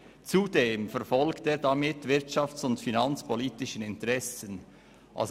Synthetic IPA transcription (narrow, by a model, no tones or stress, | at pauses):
t͡sudeːmfɛɐfɔlkteːdɑmɪtv̥ɪʁtʃɑft͡sʊntfinɑnt͡spʰoliːtɪʃənɪntəʁɛsən | ʔa̰ls